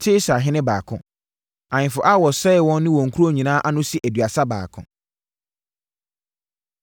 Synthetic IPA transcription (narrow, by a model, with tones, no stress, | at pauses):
tʰɪ˦sa˨ɦɪ̃˦nɪ̃˦baː˨kʰʊ̰̃˦ | ã˨ɲɪ̃˨fʊ˨ʔa˦wɔ˨sɛ˦˨wɔ̃˦nː˦ɪ̃˦wɔ̃˨ŋ̩˨kʰu˦ɾo˦˨ɲĩ˨nãː˦ʔa˦nʊ̃˦si˦ʔæ˨dɥa˨sa˦ba̰ː˨kʰʊ̰̃˦